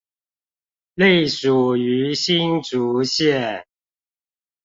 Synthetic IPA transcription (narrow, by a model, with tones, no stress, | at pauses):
le˥˨ɪʂu˨˩y˨˥˦ɕi˥˦nʈ͡ʂu˨˦ɕjɛ˥˨